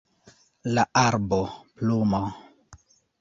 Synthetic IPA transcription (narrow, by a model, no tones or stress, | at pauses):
laʔaɾboplumo